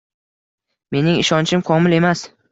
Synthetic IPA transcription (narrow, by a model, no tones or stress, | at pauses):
me̞nɪŋɪʃɒnt͡ʃʰɪmkʰɒmɪle̞mas